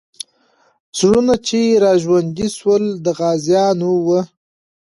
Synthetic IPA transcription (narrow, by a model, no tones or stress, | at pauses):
sɽunat͡ʃeɾɑːʒwand̪iswəld̪əɣɑːzjɑnowə